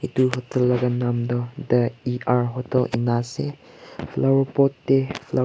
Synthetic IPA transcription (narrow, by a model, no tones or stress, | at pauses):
ituɦɔt̪əlːaɡanamd̪ɔd̪əiʔaɹɦɔtəlʔḭnasɛ | flawəpɔtːɛfla